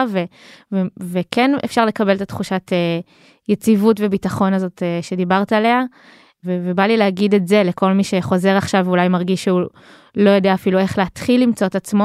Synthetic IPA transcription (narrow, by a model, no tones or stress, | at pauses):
vevevekenḛfʃaʁle̞kabelet̪at̪χuʃatʰe | jet͡sivutvebitaχo̞nazo̞teʃe̞dibaʁt̪alea | vevebalileaɡidetze̞lekʰo̞lmiʃe̞χo̞ze̞ʁaχʃavulajmaʁɡiʃeu | lo̞jo̞deaːfilue̞χleat̪χilːimt͡so̞et̪at͡smo